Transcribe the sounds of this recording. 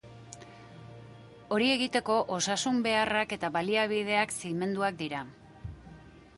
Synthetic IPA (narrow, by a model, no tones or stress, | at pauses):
o̞ɾie̞ɣit̪e̞ko̞ʔo̞sasumbe̞arake̞t̪aβaliaβ̞ið̞e̞aksiɣme̞nd̪uak̚d̪iɾa